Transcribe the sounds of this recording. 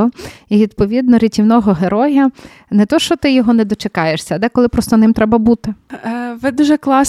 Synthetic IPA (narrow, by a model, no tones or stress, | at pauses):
ɔiʋʲid̪̚pɔʋʲid̪nɔɾʲitʲiwnɔɦɔɦeɾɔjɐ | nɛt̪ɔʃt͡ʃɔt̪ɪjɔɦɔnɛd̪ɔt͡ʃekɑjeʃsʲɐɐd̪ɛkɔlˠɪpɾɔst̪ɔnɪmt̪ɾɛbɐbut̪ɪʋɪd̪uʒɛklˠɑs